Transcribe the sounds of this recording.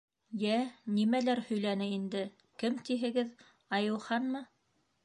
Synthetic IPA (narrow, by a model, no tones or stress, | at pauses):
jænimælæɾhɵ̆jlænɘind̪ɘ | kɘmt̪iɦɘ̆ɡɘð | ɑjɤ̆wχɑnmɤ